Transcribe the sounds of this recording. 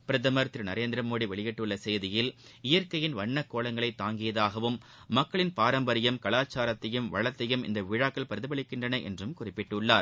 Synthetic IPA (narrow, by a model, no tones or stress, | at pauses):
pɪɾɐðɐmɐɾt̪ːɪɾnɐɾeːnd̪ɪɾɐmoːɽiʋɛɭɪjɛʈːɯɭːɐsɛjðɪjɪlɪjɐɾkɐjɪnʋɐɳːɐkːoːɭɐŋɡɐɭɐɪt̪ːaːŋɡɪjɐðaːɣɐʋɯmː | ɐkːɐɭɪnpaːɾɐmbɐɾɪjɐmkɐɭaːt͡ʃːaːɾɐt̪ːɐjɯmʋɐ̰ɻɐt̪ːɐjɯmɪ̰nd̪ɐʋiːɻaːkːɐɭpɐɾðɯbɐɭɪkːɪndrɐnɐʔɛ̰ndrɯmkʊrɪpːɪʈːɯɭːaːɾ